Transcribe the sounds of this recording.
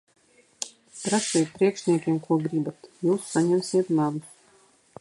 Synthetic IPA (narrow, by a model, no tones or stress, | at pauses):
pɾasijt̪̚pɾiɛkʃnʲiɛkʲiɛmkuɔɡɾibat̪juːsːaɲɛmsiɛt̪navu